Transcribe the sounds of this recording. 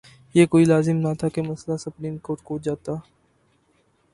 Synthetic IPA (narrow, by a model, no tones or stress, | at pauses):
jeːkoːilaːzɪmnat̪ʰakemɐslasʊpɾiːmkoːɾʈ̚koːd͡ʒaːt̪aː